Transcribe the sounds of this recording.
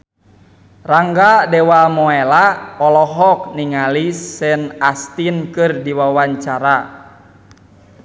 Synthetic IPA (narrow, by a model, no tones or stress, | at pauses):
raŋɡadɛwamɔɛlaɔlɔɦɔk̚niŋaliɛnast̪inkɨrdiwawaɲt͡ʃaɾa